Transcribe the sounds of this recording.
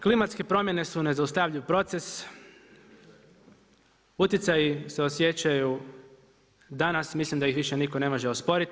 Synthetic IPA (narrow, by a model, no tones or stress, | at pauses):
klimat̪ske̞pɾo̞mje̞ne̞sune̞zaust̪aʋʎiʋpɾo̞t̪se̞s | ut̪jet̪sajise̞o̞sje̞t͡ɕaju | d̪anasmislimd̪aixʋiʃe̞niko̞ne̞mo̞ʒe̞o̞spo̞ɾit̪